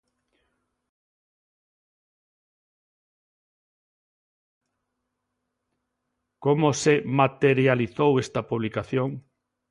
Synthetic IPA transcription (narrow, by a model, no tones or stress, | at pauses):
komosemat̪eɾjaliθowest̪ɐpuβlikaθjoŋ